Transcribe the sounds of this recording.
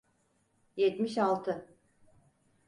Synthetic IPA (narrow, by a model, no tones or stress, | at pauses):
jɛt̪miʃalˠt̪ʰɯ